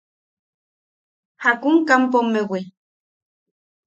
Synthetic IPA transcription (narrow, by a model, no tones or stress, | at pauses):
hakuŋkampomewe